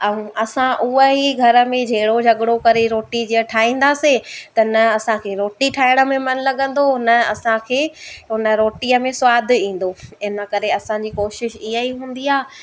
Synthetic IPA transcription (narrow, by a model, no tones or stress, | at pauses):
ɐũʔɐsãʔuɦəɦiɡʱɐɾə̆mẽd͡ʑʱeːɽod͡ʑʱɐɠɽokɐɾeɾoːʈid͡ʑiːəʈʰaːɦĩːn̆d̪aːset̪ɐnɐɐsãkʰeːɾoːʈiʈʰaːɪɽə̆mẽmɐnlɐɠə̃n̆d̪onɐɐsãkʰeːʊnəɾoːʈiəmẽsʊaːd̪ʱɪĩːn̆d̪oɪnəkɐɾeɐsãɲd͡ʑiːkoːʃɪʃɪɦəiɦũːn̆d̪iaː